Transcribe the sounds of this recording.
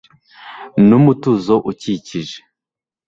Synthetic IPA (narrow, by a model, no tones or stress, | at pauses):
numutuzoʔuciciʒe̥